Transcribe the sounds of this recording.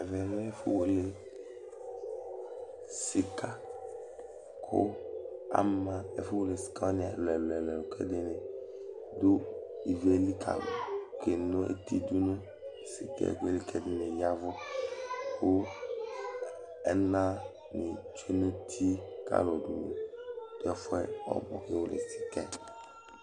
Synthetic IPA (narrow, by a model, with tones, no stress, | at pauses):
ɛ˨vɛ˨vɛ˦fu˦wo˨le˦ | si˦ka˦ | kʰo̰˦a̰˦mã˦e˨fu˦wo˦le˨si̥˨ka˦o˦ni˨a˨lɛ˨lɛ˨lɛ˨no˨kʰɛ̰˦de˦ne˨ | do˦ | i˨ve˦li˦kʰa̰˨lɔ̰˨ke˨no˦ḛ˦t̪i˦du˦nu˦ | si˨kɛ̰˦˨ɡe˦li˦kʰɛ˦de˦ne˨ja˦vɔ˦ | wo˦ | ɛ˦nã˦ | ni˨t͡ʃe˦nũ˦t̪ʰi˦ka̰˦lɔ˨du˨nḛ˨d̥̪o˦ɛ˦fɛ˦ɔ̰˨bɔ̰˨xe˦wo˦lḛ˨si̥˨kɛ˦